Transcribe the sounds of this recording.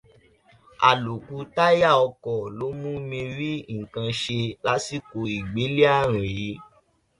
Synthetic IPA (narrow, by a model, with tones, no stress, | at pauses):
a̰˨lu˨ku˧˦ta˦ja˦˨ɔ˧kɔ˨lo˨˦mũ˦mĩ˧ɾi˦ŋ̩˨kã˧ʃe˧la˨˦si˦˨ko˧i˨ɡ͡be˨˦li˦a˦˨ɾ̃ĩ˨i˨˦